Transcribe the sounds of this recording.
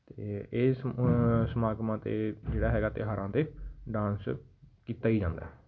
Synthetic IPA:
t̪eːeːssəmaːkmãːt̪ḛːd͡ʒeːɽaːɦɛːɡaːt̪eɦaːɾʔãːt̪eːɖãːnskiːt̪aːiːd͡ʒãːnd̪a̰ɛ

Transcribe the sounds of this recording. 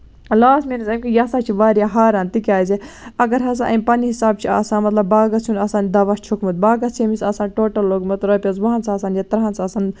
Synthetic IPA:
laːsminɐsɐmʲkijasaːt͡ʃʰiʋaːɾjaɦaːɾaːnt̪ikʲaːjzeɐɡɐɾɦɐsãːʔɐ̰mʲpɐniɦisaːb̚t͡ʃʰia̰ːsãːnmɐt̪lɐbːaːɡɐsʰunɐsaːnd̪ɐʋaʃt͡ʃʰukmɨt̪̚baːɡɐsemisɐːsaːnʈoːʈɐlːoːɡmɐt̪ɾɐːpʲɐzʋɐɦɐnsɐːsaːnjɐt̪ɾɦansɐːsaːn

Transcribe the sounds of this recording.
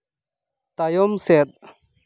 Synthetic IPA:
t̪ajɔmset̪̚

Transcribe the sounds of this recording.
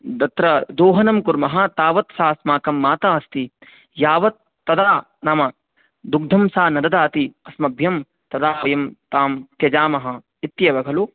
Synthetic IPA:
d̪ɐt̪ɾɐd̪oːɦɐnɐmkuɾmɐɦɐ̆t̪aːʋɐt̪saːsmaːkɐmːaːt̪aːɐst̪i | jaːʋɐt̪ːɐd̪aː | naːmɐ | d̪uɡ̚d̪ʱɐmsaːnɐd̪ɐd̪aːt̪iɐsmɐbʱjɐm | t̪ɐd̪aːʋɐjɐmt̪aːmt̪jɐd͡ʒaːmɐɦɐ̆ | it̪jɐʋɐɡʱɐlu

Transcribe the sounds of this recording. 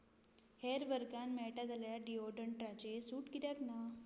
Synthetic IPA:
heɾʋəɾkanmɛɭʈad͡zʱaljaɖiɔɖəɳʈɾat͡ɕesuːʈkit̪jat̪na

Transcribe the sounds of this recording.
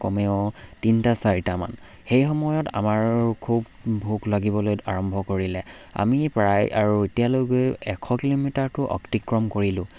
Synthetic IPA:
kɔmɛʊ̃tintasaɹitama̰n | xejxɔmɔjɔta̰maɹkʰubʱ | uklaɡibɔlojaɹɔmbʱɔkoɹilɛa̰mipɹajaɹuetijaloɡojɛkʰɔkilomitaɹtʊʔɔ̰ktikɹɔmkoɹilʊ̃

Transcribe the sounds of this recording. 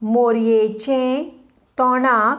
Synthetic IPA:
moɾjet͡ɕẽ | t̪ɔna

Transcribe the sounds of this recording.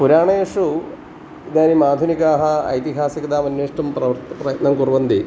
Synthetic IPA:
puɾaːɳejʂu | naːnimaːd̪ʱunikaːɦɐɐ̰jt̪iɦaːsikɐd̪aːmɐnːeːʂʈɐmprɐʋɐt̪prɐjt̪nɐŋkurʋɐnd̪i

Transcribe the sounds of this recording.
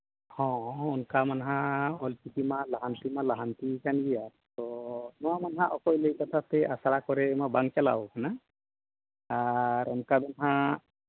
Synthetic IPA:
hɔ̃unkamanɦãɔlpikimalaɦant̪imalaɦant̪ikanɡija | t̪ɔnɔwamanɦãʔɔkɔjlejkat̪ʰat̪ɛʔasaɾakɔɾɛmabaŋt͡ʃala̰ɔkana | aɾɔnkab̪ɔnɦã

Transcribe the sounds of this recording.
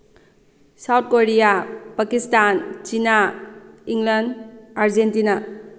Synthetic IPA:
sawt̚koɾijapakistant͡ʃina | iŋlandaɾd͡ʒentina

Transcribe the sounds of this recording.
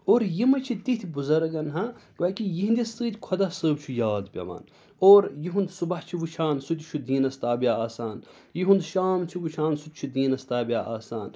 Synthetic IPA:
oːɾjimɐt͡ʃʰit̪it̪ʰibuzɐɾɡɐnɦɐ̃kʋɐkijiɦĩnd̪ʲist̪ɨːt̪ʲkʰɐd̪ɐsəːbt͡ʃʰujaːd̪pʲɐ̰ʋa̰ːn | oːɾjiɦũnd̪subɐht͡ʃʰiʋut͡ʃʰaːnsut̪ʲt͡ʃʰud̪iːnɐst̪aːbijaaːsaːn | jiɦund̪ʃaːmt͡ʃʰiʋut͡ʃʰaːnsut̪̚ʲt͡ʃʰud̪iːnɐst̪aːbʲjaʔaːsaːn

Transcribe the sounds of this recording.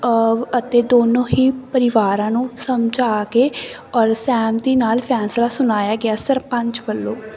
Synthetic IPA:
ət̪eːd̪oːnõːɦiːpəɾɪʋaːɾãːnũːsəmd͡ʒaːkeːɔːɾsɛːmd̪iːnaːlpʰɛːslaːsʊnaːjaːɡɪaːsəɾpə̃ɲt͡ʃʋəlːõː

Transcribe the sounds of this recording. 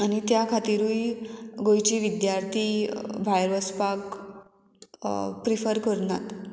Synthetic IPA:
añit̪jakʰat̪iɾujɡojt͡ɕiːʋid̪jaɾt̪ʰibʱajɾʋəspak | pɾifəɾkəɾna̰t̪

